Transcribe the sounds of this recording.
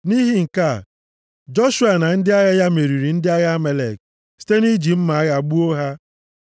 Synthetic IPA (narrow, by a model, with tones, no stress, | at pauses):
ni˦ɦi˦ŋ̩˨ka˦˨ | d͡ʒo˦ʃu˦a˨na˨n̩˦dɪ˦a˦ɣa˦ja˦me˨ɾi˨ɾi˨n̩˦dɪ˦a˦ɣa˦me˦le˨k̚ | si̥˦te˦ni˦d͡ʒi˨m̩˦ma˨a˦ɣa˨ɡ͡bu˦o˦ɦa˦